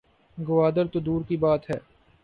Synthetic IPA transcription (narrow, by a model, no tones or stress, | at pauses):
ɡʊʋaːd̪əɾt̪od̪uːɾkibaːt̪ɦɛː